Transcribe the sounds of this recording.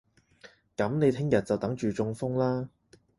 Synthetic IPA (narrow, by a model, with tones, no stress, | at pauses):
kɐ˨˥mne˨˧jt̪ʰɪ˥ŋjɐ˨t̚t͡sɐ˨wt̪ɐ˨˥ŋt͡ʃyː˨t͡sʊ˧ŋfʊ˥ŋlaː˥